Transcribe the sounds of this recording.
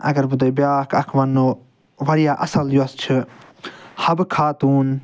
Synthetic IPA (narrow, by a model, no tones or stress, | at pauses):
ɐ̰ɡɐɾbud̪objaːkʰɐkʰʋɐnːoː | ʋɐɾijaːʔɐsɐljoɐst͡ʃʰɨ | hɐbkʰaːt̪uːn